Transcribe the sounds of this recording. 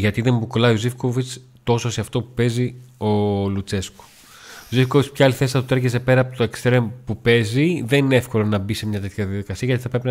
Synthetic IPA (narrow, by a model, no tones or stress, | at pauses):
ʝɐt̪iðe̞mbukolɐiozifkovit͡s | t̪o̞soseɐft̪o̞pu̥pe̞zio̞lut͡se̞sko̥ | ozifkovit͡spçɐɐliθe̞sit̪ɐt̪ot̪eɾʝeze̞pe̞ɾɐːpot̪oekst̪ɾempupe̞ziðe̞nineefkolo̞nɐbise̞mɲɐt̪e̞t̪çɐðiɐðikɐsiɐʝɐt̪i̥θɐpɾepin